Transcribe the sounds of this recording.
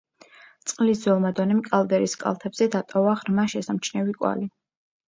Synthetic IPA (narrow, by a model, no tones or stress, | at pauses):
t̪sʼqʼlisdwɛlˠmad̪ɔnɛmkʼalˠd̪ɛɾiskʼa̰lˠt̪ʰɛbz̥ɛd̪at̪ʼɔvaʁɾmaʃɛsamt͡ʃʰnɛvikʼwa̰li